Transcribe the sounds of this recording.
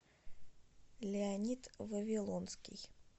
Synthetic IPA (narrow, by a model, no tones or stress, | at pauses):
lʲɪɐnʲit̪vəvʲɪlˠonskʲɪ̰j